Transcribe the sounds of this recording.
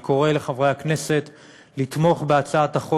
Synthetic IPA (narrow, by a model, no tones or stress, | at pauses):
ko̞ʁe̞le̞χavʁejakne̞se̞t̪ | lit̪mo̞χbe̞at͡saataχo